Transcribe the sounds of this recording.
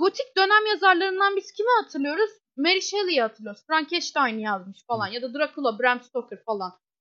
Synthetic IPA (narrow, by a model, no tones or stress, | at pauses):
ɡo̞t̪ʰic̚d̪ø̞næmjazaɾlˠaɾɯnd̪anbiz̥cʰimihat̪ʰɯɾlɯjo̞ɾuz | meɾiʃelˠijɛhat̪ʰɯɾlˠɯjoɾzfɾaɲcʰɛʃt̪ajnɯjazmɯʃfalˠanjad̪ad̪ɯɾakʰulˠabɾæmst̪okɯɾfalˠan